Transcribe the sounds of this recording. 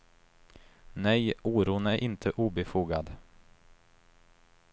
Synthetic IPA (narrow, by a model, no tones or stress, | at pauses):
nɛjʔuːɾuːnæɾʔɪnt̪ʰəʔuːbɛfuːɡad̪